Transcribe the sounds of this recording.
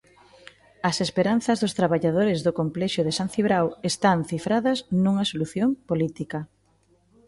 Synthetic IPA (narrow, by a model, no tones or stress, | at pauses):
ɐsespeɾan̟θɐzðʊst̪ɾaβaʎað̞oɾɪzðʊkomplɛʃjoðesanθiβɾawest̪aŋθifɾaðɐznũŋɐsoluθjoŋpolit̪ikɐ